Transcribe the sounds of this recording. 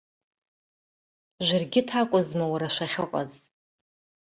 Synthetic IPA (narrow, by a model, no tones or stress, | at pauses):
ʒʷɪrɡʲɪtʰakʷʼʊzmawaɾaʃʷaχʲɪqʼa̰z